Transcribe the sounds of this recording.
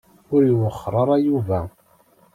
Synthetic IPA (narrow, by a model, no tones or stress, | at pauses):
ʊɾiwəχːɾˤəɾˤɑjuvæ